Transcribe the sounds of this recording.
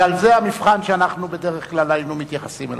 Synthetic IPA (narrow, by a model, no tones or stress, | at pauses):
alzeamifχanʃeanaχnube̞d̪e̞ʁeχklalainumit̪jaχasimel